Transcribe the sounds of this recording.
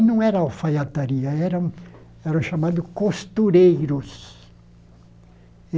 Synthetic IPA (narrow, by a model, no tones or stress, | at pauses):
nɐ̃w̃ɛɾɐawfajat̪aɾiɐɛɾɐ̃w̃ | ɛɾɐ̃w̃ʃamad̪ʊkost̪uɾejɾʊs